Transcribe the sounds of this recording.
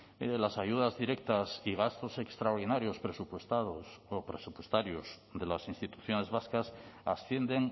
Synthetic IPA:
lasaʝuðazðiɾe̞k̚t̪asiɣ̞ast̪o̞se̞kst̪ɾaoɾð̞inaɾjo̞spɾesupwest̪aðosopɾesupwe̞st̪aɾjoz | ðe̞lasinst̪it̪u̥θjo̞ne̞zβaskasa̰sθje̞nd̪e̞ŋ

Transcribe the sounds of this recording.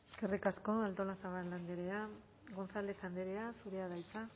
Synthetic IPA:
eskerikasko̞alt̪o̞lasaβalːand̪eɾe̞a | ɣo̞nsald̪esand̪eɾe̞asuɾe̞að̞ajt͡sa

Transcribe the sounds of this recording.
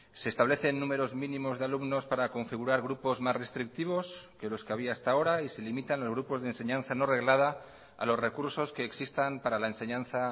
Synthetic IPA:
se̞ːst̪aβ̞le̞θe̞nːume̞ɾo̞zmĩnĩmo̞zðaluɡno̞spaɾako̞ɱfiɣ̞uɾaɾɣ̞ɾupo̞zmasre̞st̪ɾik̚t̪iβ̞o̞ske̞lo̞ske̞aβ̞iaest̪ao̞ɾaise̞limit̪anlozɣ̞ɾupo̞zðense̞ɲãnθano̞re̞ɣlað̞a | a̰lo̞sre̞kuɾso̞ske̞ːksist̪ampaɾalaenseɲãnθa

